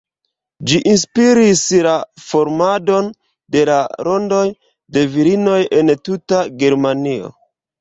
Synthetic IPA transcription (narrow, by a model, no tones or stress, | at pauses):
d͡ʒiʔinspiɾislafo̞ɾmado̞n | de̞laɾo̞ndo̞j | de̞viɾino̞je̞ntutaɡe̞ɾmanio̞̰